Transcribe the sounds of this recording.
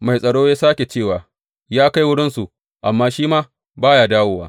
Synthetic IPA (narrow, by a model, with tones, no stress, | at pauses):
ma˨jsʼɐ˨ɽoː˦jaː˦saː˦kʲe˨t͡ʃeː˦˨waː˨ | jaː˦ka˦jwʊ˦ɽɪ˦nsu˨ʔ | ʔa˨mːaː˦ʃiː˦maː˦ | baː˦jaː˨daː˦woː˦wa̰ː˦